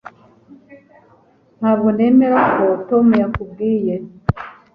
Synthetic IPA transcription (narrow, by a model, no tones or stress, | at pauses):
n̥haβɡone̞meɾakotomujakub̚ɡiːje